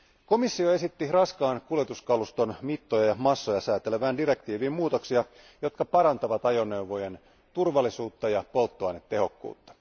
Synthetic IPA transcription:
ko̞misːio̞e̞sit̪ːirɑskɑːnkuljet̪uskɑlust̪o̞nmit̪ːojɑjɑmɑsːojɑsæːt̪eleʋæːndiɾe̞k̚t̪iːʋiːmmuːt̪o̞ksiɑ | jo̞t̪kɑpɑɾɑnt̪ɑʋɑt̪ɑjo̞nːewʋojen | t̪urʋɑlːisuːt̪ːɑjɑpo̞lt̪ːoɑjnet̪ːe̞ɦo̞kːṵːt̪ːɑ̥

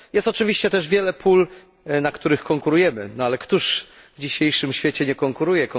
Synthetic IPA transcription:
jɛst̪ɔt͡ʂɨvʲiɕt͡ɕɛt̪ɛʐvʲjɛlɛpʰul | nakt̪uɾɘxkɔŋkuɾujɛmɘnɔalɛkt̪uʂ | vd͡ʑiɕejʂɘmɕfʲjɛt͡ɕɛɲɛkɔŋkuɾujɛkɔ

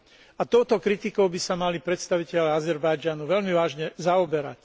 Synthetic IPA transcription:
at̪ɔʊt̪ɔkɾit̪ikɔʊbisamalipɾɛt̪st̪aʋicɛʎaazɛɾbajd͡ʒanuʋɛʎmiʋaːʒɲɛzaɔbɛɾa̰c

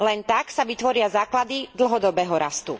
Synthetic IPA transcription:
lɛnt̪aksaʋit̪ʋɔɾɪazaːklad̪id̪l̩ɦɔd̪ɔbɛːɦɔɾast̪u

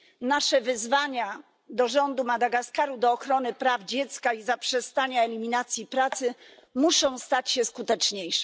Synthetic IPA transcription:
naʂɛvɘzvaɲa | d̪ɔʐɔnd̪umad̪aɡaskaɾud̪ɔːxɾɔnɘpɾavd͡ʑɛt̪skaizapʂɛst̪aɲaɛlʲimʲinat̪sʲjipɾat̪sɘmuʂɔ̃w̃st̪at͡ɕɕɛskut̪ɛt͡ʂɲejʂɛ̥

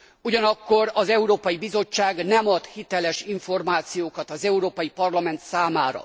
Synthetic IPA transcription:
uɟɒnɒkːo̞ɾɒzɛuɾoːpɒjibizo̞t͡ʃːaːɡnɛmɒt̪hit̪ɛlɛʃiɱfo̞rmaːt̪sijoːkɒt̪ɒzɛuɾoːpɒjipɒrlɒmɛnt̪saːmaːɾɒ̰

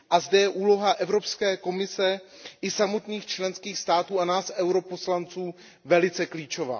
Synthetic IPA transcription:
ʔazdɛjɛʔuːlo̞ɦaʔɛvɾo̞pskɛːko̞mɪsɛʔɪsamo̞t̪niːxt͡ʃlɛnskiːxst̪aːt̪uːanaːsʔɛwɾo̞po̞slant͡suː | vɛlɪt͡sɛkliːt͡ʃo̞va̰ː

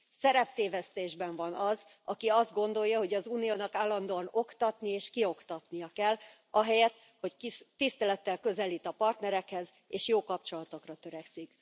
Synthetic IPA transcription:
sɛɾɛpt̪eːvɛst̪eːʒbɛɱvɒnɒz | ɒkiɒzd̪̚ɡo̞nd̪o̞jːɒɦo̞ɟɒzuːnijoːnɒkaːlːɒnd̪oːɒno̞kt̪ɒt̪nieːʃkio̞kt̪ɒt̪nijɒkɛlː | ɒɦɛjɛt̪ | ho̞ct̪ist̪ɛlɛt̪ːɛlkø̞zɛliːt̪ɒpɒrt̪nɛɾɛkhɛz | eːʃjoːkɒp̚t͡ʃo̞lɒt̪okrɒt̪ø̞ɾɛksik

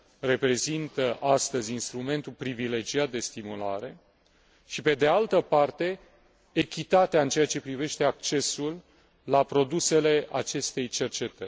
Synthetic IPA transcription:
re̞pɾe̞zint̪əʔast̪əzʲinst̪ɾume̞nt̪ulpɾivile̞d͡ʒiat̪̚d̪e̞st̪imula̰ɾe̞ | ʃipe̞d̪ealt̪əpart̪e̞ | ekʲit̪at̪eaɨnt͡ʃeat͡ʃe̞pɾive̞ʃt̪e̞ak̚t͡ʃe̞sulː | apɾo̞d̪use̞le̞ʔa̰t͡ʃe̞st̪e̞jt͡ʃe̞rt͡ʃe̞t̪ərʲ

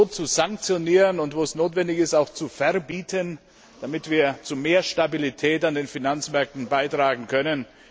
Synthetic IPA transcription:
oːt͡suzaŋk̚t͡sjoniːʁənʊntvoːɛsnoːtv̥ɛndɪçɪstaʊxt͡sufɛɐbiːtʰən | d̥amɪtv̥iːɐt͡sumeːɐʃtabilitʰɛːtandeːnfinant͡smɛɐk̚tn̩baɪtʁ̥aːɡŋ̩kʰœnən

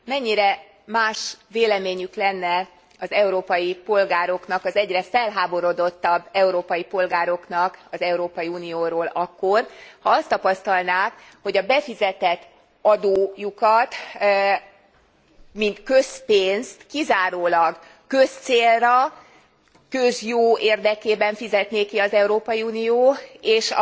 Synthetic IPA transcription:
mɛɲːiɾɛ | maːʃveːlɛmeːɲyklɛnːɛ | ɒzɛuɾoːpɒjipo̞lɡaːɾo̞knɒkɒzɛɟrɛfɛlɦaːbo̞ɾo̞d̪o̞t̪ːɒbːɛuɾoːpɒjipo̞lɡaːɾo̞knɒkɒzɛuɾoːpɒjiuːnijoːɾoːlʔɒkːo̞rhɒɒst̪ːɒpɒst̪ɒlnaːkho̞ɟɒbɛfizɛt̪ɛt̪ː | ɒd̪oːjukɒt̪ | mint̪kø̞speːnst̪kizaːɾoːlɒɡ | kø̞st̪seːlrɒ | køzjoːeːrd̪ɛkeːbɛɱfizɛt̪neːkiɒzɛuɾoːpɒjiuːnijoːeːʃɒ̰

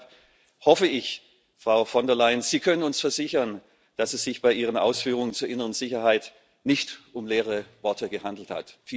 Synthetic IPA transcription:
hɔfəɪç | fʁ̥aʊfɔndɛɐlaɪənz̥iːkʰœnənʊnsfɛɐzɪçɐn | d̥asɛsz̥ɪçb̥aɪʔiːʁ̞ənʔa̰ʊsfyːʁʊŋənt͡suːɐʔɪnəʁənzɪçɐhaɪt | nɪçtʔʊmleːʁ̞əvɔɐtəɡəhandl̩tha̰tfiː

